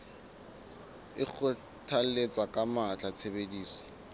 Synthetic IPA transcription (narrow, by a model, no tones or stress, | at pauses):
ɪk͡xʰʊ | tʰallet͡sakʼamat͡ɬʼat͡sʰebediːsɔ̥